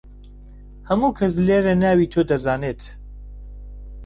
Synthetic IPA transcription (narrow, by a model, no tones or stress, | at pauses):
hɐmuːkʰɐs̬leːɾɐnaːwiːt̪ʰoːd̪ɐzaːneːt̪